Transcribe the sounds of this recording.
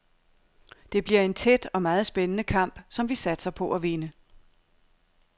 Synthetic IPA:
d̥e̝b̥liɐ̰e̝nt͡sʰed̥ɒ̽mɑ̈ːð̞̩ˠsb̥enənəkʰɑ̈m̰b̥sɒ̽mʋisæd̥sɐpʰɒ̽ʔæʋe̝nə

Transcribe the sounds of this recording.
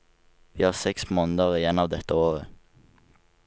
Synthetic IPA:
ʋiːhɑːʁsɛksmoːnəd̪əʁiːjɛnɑːʋd̪ɛt̪əoːʁə

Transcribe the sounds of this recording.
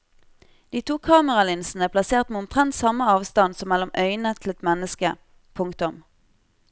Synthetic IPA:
d̪̥iːt̪ʰuːkʰɑːməʁɑlɪnsn̩əæːpʰlɑseːʁt̪meːʊmt̪ʰʁɛnt̪sɑməɑːʋst̪ɑnsɔmːɛlʊmʔœʏnət̪ʰɪl̩ɛt̪mɛnəskə | pʰʊŋkt̪ʊm

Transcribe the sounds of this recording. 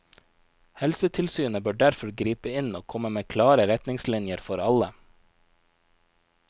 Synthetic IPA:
hɛlsət̪ʰɪlsyːnəbøːɖæɾfɔɾɡɾiːpəɪnoːkʰɔməmeːkʰlɑːɾəɾɛt̪nɪŋslɪnjəɾfɔɾɑlə

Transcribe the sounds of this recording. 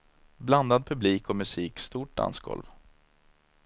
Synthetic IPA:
bland̪ad̪̚pʰɵbliːkɔmɵsiːkst̪uːʈ̚d̪a̰nsɡɔ̰lv

